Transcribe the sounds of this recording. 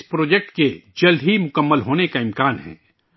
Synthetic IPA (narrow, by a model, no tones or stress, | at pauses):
spɾoːd͡ʒɛk̚ʈked͡ʒɐld̪ʱɦimʊkəmːəlɦoːnekaɪ̃mkaːnɦɛ̰̃ː